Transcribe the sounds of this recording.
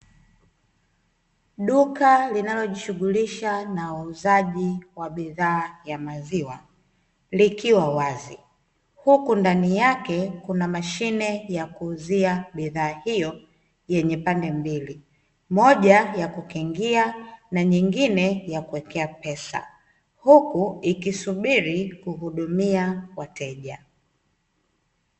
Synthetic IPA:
ɗukalinalɔʄiʃuɠuliʃanauuzaʄiwaɓiðaːjamaziwa | likiwawazi | hukundanijakɛkunamaʃinɛjakuːziaɓiðaːhijɔ | jɛɲɛpandɛmbili | mɔʄajakukɛŋɡianaɲiŋɡinɛjakuwɛkɛapɛsa̰ | hukuikisuɓiɾikuhuɗumiawatɛʄa

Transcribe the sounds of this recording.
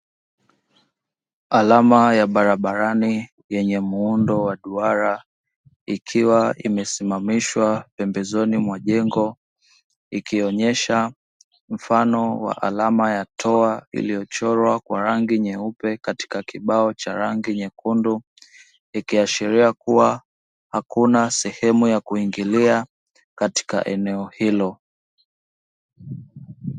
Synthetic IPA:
alamajaɓaɾaɓaɾani | jɛɲɛmuundɔwaɗuaɾa | ikʰiwaḭmɛsimamiʃwapɛmbɛzɔnimwaʄɛŋɡɔ | ikiɔɲɛʃa | m̩fanɔwa̰ʔa̰lamajatʰɔaḭlijɔt͡ʃɔɾwakwaɾaŋɡiɲɛupɛkati̥kakiɓaɔt͡ʃaɾaŋɡiɲɛkundu | ikiaʃiɾiakuwa | hakunasɛhɛmujakuiŋɡilia | kati̥ka̰ʔɛnɛɔhilɔ

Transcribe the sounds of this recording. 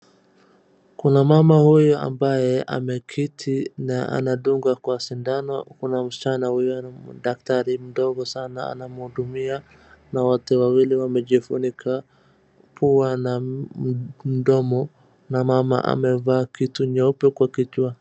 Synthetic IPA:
kunamamahujɔa̰mbajɛa̰mɛkʰitʰinaa̰naɗuŋɡakwasindanɔkunam̩si̥t͡ʃanahujɔɗak̚taɾim̩ɗɔɣɔsanaa̰namuhuɗumia | nawatɛwawiliwamɛʄifunikʰa | pʰuana | m̩ɗɔmɔ | namama̰ʔa̰mɛvaːkituɲɔpɔkwakit͡ʃwa

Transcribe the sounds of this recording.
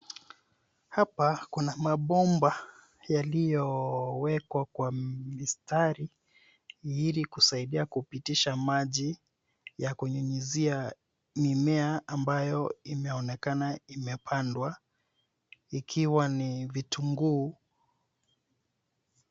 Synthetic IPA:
hapakunamaɓɔmba | jalijɔwɛkwakwamistaɾi | ilikusaiɗiakupitiʃamaʄi | jakuɲuɲizia | mimɛaːmbajɔimɛɔnɛkanaimɛpʰandwa | ikʰiwanivituŋɡuː

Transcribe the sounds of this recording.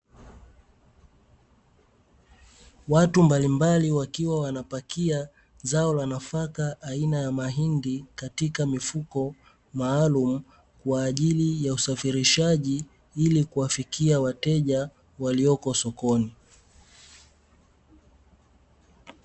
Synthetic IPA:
watumbalimbaliwakiwawanapakia | zaɔlanafakaʔːinajamaɦindikatikamifukɔ | maːlum̩ | kwaːʄilijausafiɾiʃaʄi | ilikuwafikiawatɛʄa | waliɔkɔsɔkɔni

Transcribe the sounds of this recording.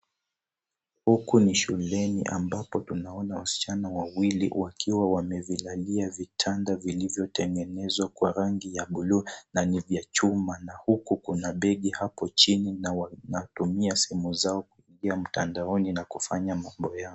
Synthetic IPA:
hukuniʃulɛnḭʔa̰mbapɔtunaɔnawasi̥t͡ʃanawawilḭwʔakʰiwawamɛvilaliavitʰandavilivjɔtɛŋɡɛnɛzwakwaɾaŋɡijaɓulunanivjat͡ʃumanahukukunaɓɛɠihapɔt͡ʃininawanatumiasɛ̥hɛmuzaɔkuiŋɡiam̩ta̰ndaɔninakufaɲamambɔjaɔ

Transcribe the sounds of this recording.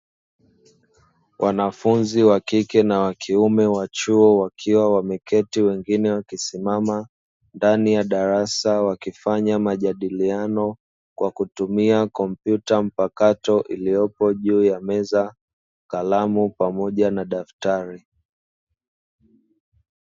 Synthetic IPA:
wʔanafunziwakikɛnawakʰiumɛwat͡ʃuɔwakʰiwawamɛkɛtiwɛŋɡinɛwakisimama | ndanijaɗaɾasawakifaɲamaʄaɗilianɔ | kwakutumiakɔm̩pjutam̩pakatɔʔilijɔpɔʄuːjamɛza | kalamupamɔʄanaɗaftaɾi

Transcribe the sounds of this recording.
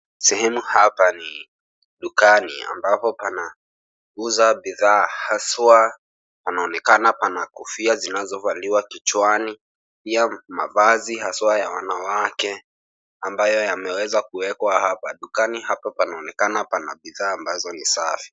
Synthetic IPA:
sɛhɛmuhapani | ɗukanḭa̰mbapɔpana | uzaɓiðaːhaswa | panaɔnɛkanapanakɔfiazinazɔvaliwakit͡ʃwani | piama̰vazihaswajawanawakɛ | ambajɔjamɛwɛzakuɛkwahapaɗukanihapapanaɔnɛkanapana̰ɓiðaːmbazɔnisafi̥

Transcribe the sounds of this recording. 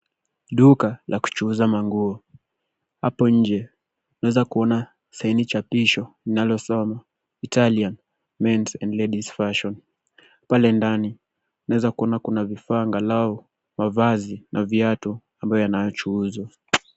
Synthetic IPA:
ɗukalʔaku̥t͡ʃuuzamaŋɡuɔ | ha̰pɔɲ̩d͡ʒɛ | nawɛzakuɔna | sainit͡ʃapiʃɔlinalɔsɔma | italian | mɛntɛndlɛɗisfaʃɔn | palɛndani | nawɛzakuɔnakunavifaːŋɡalaɔ | mavazinʔaviatu | ambajɔjanajɔt͡ʃuːza

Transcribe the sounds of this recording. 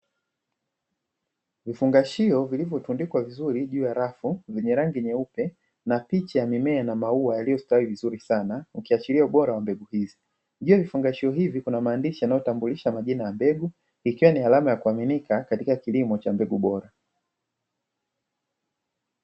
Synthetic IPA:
vifuŋɡaʃiɔvilivjɔtundikwavizuɾiʄuːjaɾafuvɛɲɛɾaŋɡiɲɛupɛ | napit͡ʃajamimɛːnamauajalijɔstawivizuɾisanaukiat͡ʃiliauɓɔɾawambɛɡuhizi | ʄuːjavifuŋɡaʃiɔɦivikunamaːndiʃijanajɔtambuliʃamaʄinajambɛɡu | ikiwanialamajakuaminikakatikakilimɔt͡ʃambɛɠuɓɔɾa

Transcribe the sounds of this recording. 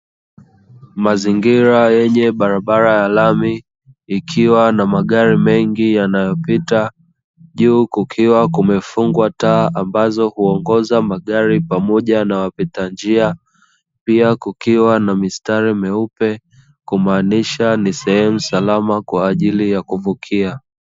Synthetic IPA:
maziŋɡiɾajɛɲɛɓaɾaɓaɾajalamiː | kʰiwanamaɠaɾimɛŋɡijanajɔpita | ʄuːkukʰiwakumɛfuŋɡwataːʔambazɔhuɔŋɡɔzamaɠaɾipamɔʄanawapitand͡ʒia | piakukiwanamistaɾimɛupɛ | kumaːniʃanisɛhɛmusalamakwaːʄilijakuvukʰia

